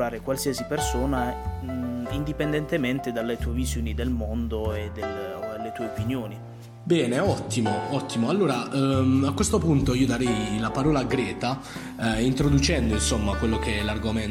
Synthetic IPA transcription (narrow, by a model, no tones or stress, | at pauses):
aːɾekwalsiːasipersoːna | ind̪ipend̪ɛnt̪emɛnt̪ed̪alːet̪uːevizjoːnid̪elmond̪oed̪ellːet̪uːeopinjoːni | bɛːneɔt̪ːimoɔt̪ːimoalːoːɾaakːwest̪opunt̪oiːod̪aɾɛjlapaɾɔːlaɡɾɛːt̪a | int̪ɾod̪ut͡ʃɛnd̪oinsomːakwelːokeɛlarɡomɛn